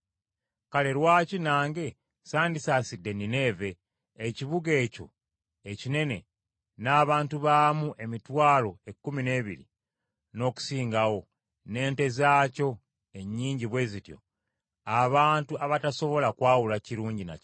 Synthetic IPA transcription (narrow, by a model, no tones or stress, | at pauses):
kale̞ɾwaːcinaːŋɡe̞ | saːndisaːsidːe̞nine̞ːve̞ː | ciβuɡe̞ːco̞̰ | ecine̞ne̞̰ | naːβaːntuβamuʔe̞mitwaːlo̞e̞kːumine̞ːβiɾḭ | no̞ːku̥siːŋɡawo̞ | ne̞ːnte̞zaːco̞ | e̞ɲːiːɲɟiβwe̞zitjo̞̰ | aβaːntuaβataso̞βo̞lakwaːwulaciɾuːɲɟina̰c